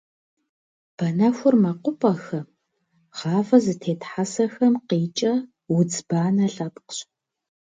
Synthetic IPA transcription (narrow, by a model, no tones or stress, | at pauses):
b̥ɐnɐxʷʊrmɐqʷʊpʼɐxɐ | ʁɑːvɐzɨtʰeːtħasɐxɐmqiːt͡ʃʼɐ | wʊd͡zbaːnɐɬʼɐpqɕ